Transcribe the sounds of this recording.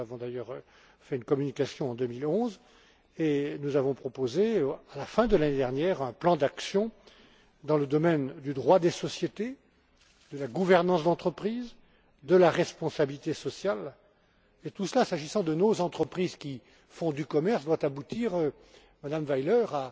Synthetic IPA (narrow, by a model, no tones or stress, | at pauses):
avɔ̃d̪ajœʁø | fɛynkɔmynikasjɔ̃ɑ̃d̪ømilɔ̃z | enuzavɔ̃pχɔpozealafɛ̃d̪əlaned̪ɛʁnjɛʁɛ̃plɑ̃d̪aksjɔ̃ | d̪ɑ̃ləd̪ɔmɛnd̪yd̪ʁwad̪esɔsjet̪e | d̪̥əlaɡuvɛʁnɑ̃sd̪ɑ̃t̪χəpχiːz | d̪əlaʁɛspɔ̃sabilit̪esɔsjal | et̪usəlasaʒisɑ̃d̪ənozɑ̃t̪χəpχizkʲi | fɔ̃d̪ykɔmɛʁsd̪wat̪abut̪iʁø | mad̪amvajlœʁa